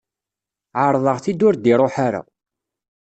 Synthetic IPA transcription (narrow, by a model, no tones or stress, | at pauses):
ʕəɾˤðˤəʁθid̪ʊɾd̪iɾˤoħaɾa̰